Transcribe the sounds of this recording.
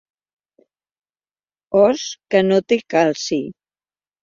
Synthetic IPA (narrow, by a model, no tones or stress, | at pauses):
ɔskənot̪ekalsi